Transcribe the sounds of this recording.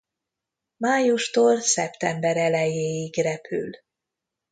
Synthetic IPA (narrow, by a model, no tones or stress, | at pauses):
maːjuʃt̪orsɛpt̪ɛmbɛɾɛlɛjeːjiɡrɛpʰy̰l